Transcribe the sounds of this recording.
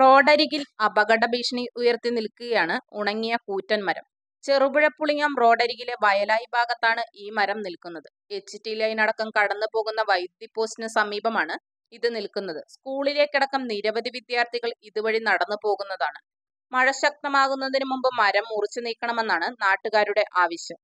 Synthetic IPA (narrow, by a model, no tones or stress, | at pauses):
ro̞ːɖɐɾiɣilɐbɐɣɐɽɐbiːʂɐɳiʔujɐrt̪inilkuɣɐjaːɳɨuɳɐŋːijɐkuːtːɐnmɐɾɐ̰m | t͡ɕe̞ruʋuɻɐpːuɭiŋːaːmro̞ːɖɐɾiɣile̞ʋɐjɐlaːjibʱaːɡɐt̪ːaːɳɨʔiːmɐɾɐmnilkunːɐðɨ | e̞t͡ɕːitːijlaːjinɐɽɐkːɐmkɐɽɐnːɨpo̞ːɣunːɐʋɐjd̪jipːo̞ːstnɐsɐmiːbɐmaːɳɨ | iðɨnilkun̪ːɐðɨskuːɭile̞kʲːiɽɐkːɐmniːɾɐʋɐd̪ʱiʋid̪jaːrt̪ʰiɣɐɭiðuʋɐɻinɐɽɐnːɨpo̞ːɣunːɐðaːɳɨ | mɐɻɐɕɐk̚t̪ɐmaːɣunːɐðinɨmumbɨmɐɾɐmːurit͡ɕːɨniːkːɐɳɐme̞nːaːɳɨnaːʈːuɣaːɾuɽe̞ʔaːʋɐɕjɐm